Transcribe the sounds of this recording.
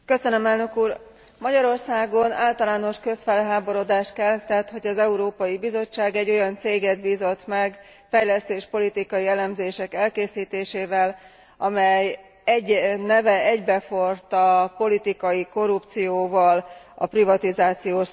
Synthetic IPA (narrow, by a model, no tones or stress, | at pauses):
kø̞sønømɛlnøkuːr | mɒɟɒɾo̞rsaːɡo̞naːlt̪ɒlaːno̞ʃkø̞sfɛlɦaːbo̞ɾo̞d̪aːʃt̪kɛlt̪ɛt̪ho̞ɟɒzɛuɾoːpɒjibizo̞t͡ʃːaːɡɛɟːo̞jɒnt̪seːɡɛd̪̚biːzo̞t̪mɛɡ | fɛjlɛst̪eːʃpo̞lit̪ikɒjiɛlɛmzeːʃɛkɛlkeːsiːt̪eːʃeːvɛl | ɒmɛj | ɛɟnɛvɛɛɟbɛfo̞rt̪ɒpo̞lit̪ikɒjiko̞rːupt̪sijoːvɒl | ɒ̰privɒt̪izaːt̪sijoːʃ